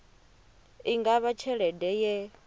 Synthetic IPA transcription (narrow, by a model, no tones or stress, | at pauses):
iŋɡaβat͡ʃʰɛɺɛdɛjɛ